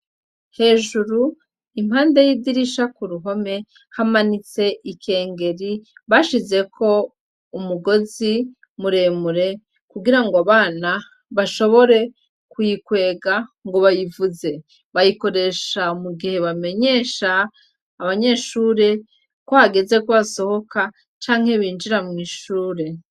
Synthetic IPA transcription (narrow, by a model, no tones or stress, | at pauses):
he̞ːʒuɾu | imhaːndejidiɾiʃakuɾuɦo̞me̞ | hamanit͡se̞ʔike̞ːŋɡe̞ɾiβaʃize̞kʰo̞ | umuɡo̞zi | muɾe̞ːmuɾe̞ | kuɡiɾaŋɡoaβaːna | βaʃo̞βo̞ɾe̞ | kujikwe̞ːɡaŋɡo̞βajivuze̞ | βajiko̞ɾe̞ːʃamuɡihe̞βame̞ɲe̞ːʃaː | βaɲe̞ʃuːɾe̞ | kohaɡe̞ze̞kuβaso̞ho̞ka | t͡ʃaːŋ̥he̞βiːnd͡ʒiɾamŋiːʃuːɾe̞